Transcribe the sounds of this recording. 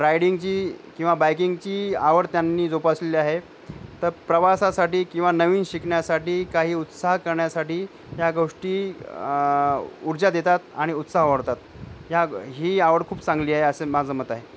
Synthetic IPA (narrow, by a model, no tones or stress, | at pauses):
ɾajɽiŋɡt͡ɕiːkĩw̃ʋabajkiŋɡt͡ɕiːaʋəɽt̪janːiːd͡zopasleliːaɦe | t̪əɾpɾəʋasasaʈiːkĩw̃ʋanəʋiːnɕikɳjasaʈiːkaɦiːut̪saɦkəɾɳjasaʈiː | ɦjaɡoʂʈiː | uɾd͡ʑad̪et̪at̪aɽ̃iut̪saɦʋəɽt̪at̪ | ɦjaɦiːaʋəɽkʰuːpsãŋɡliːaɦeəsemad͡zəːmət̪aɦe